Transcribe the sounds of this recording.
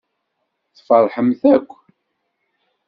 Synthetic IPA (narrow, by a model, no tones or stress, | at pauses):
θfəɾˤħəmθækʷː